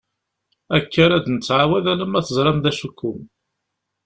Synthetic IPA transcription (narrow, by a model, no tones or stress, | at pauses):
ækʰːəɾæd̪nət͡sːʕawæðæləmæθəzˤɾˤɑmðæʃukʰːʊm